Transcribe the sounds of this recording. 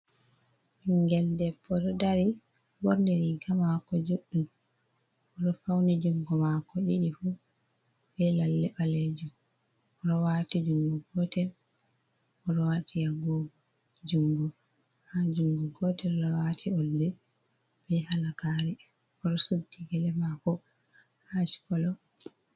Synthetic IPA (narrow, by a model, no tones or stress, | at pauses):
hiŋɡɛldɛpːɔɗɔdaɾi | bɔɾndɛɾikamakɔd͡ʒuɗum | ɔɗɔfawnid͡ʒuŋɡɔmakɔɗiɗifu | bɛlalːɛbaled͡ʒu | ɔɗɔwatid͡ʒuŋɡɔɡɔtɛl | ɔɗɔwatijaɡɔ | d͡ʒuŋɡɔ | had͡ʒuŋɡɔɡɔtɛllɔwatʰiɔldɛ | b̥ɛhalakaɾɛ | ɔɗɔsutːiɡɛlɛmakɔ | haʃi̥kɔlɔ